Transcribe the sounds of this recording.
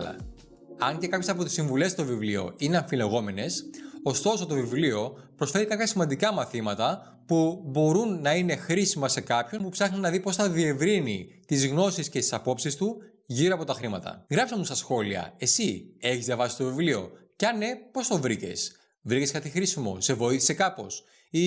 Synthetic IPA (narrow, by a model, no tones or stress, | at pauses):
lɐ̰ | ɐɲce̞kɐpçe̞sɐpo̞t̪isiɱvule̞st̪o̞vivlio̞̰ineɐɱfileɣo̞me̞ne̞so̞st̪o̞so̞t̪o̞vivlio̞pɾosfe̞ɾikɐpçɐsimɐnd̪ikɐmɐθimɐt̪ɐ | pubo̞ɾunːɐine̞xɾisimɐse̞kɐpço̞npupsɐxninɐðipo̞sθɐðie̞vɾinit̪izɣno̞siscet̪i̥sɐpo̞psist̪u | ʝiɾoɐpot̪ɐxɾimɐt̪ɐ̰ɣɾɐpsɐmust̪ɐsxo̞liɐ̰e̞sie̞çizðjɐvɐsist̪o̞vivlio̞̰cɐne̞po̞st̪o̞vɾice̞̰s | vɾiceskɐt̪ixɾisimo̞̰se̞vo̞iθi̥se̞kɐpo̞̰s | i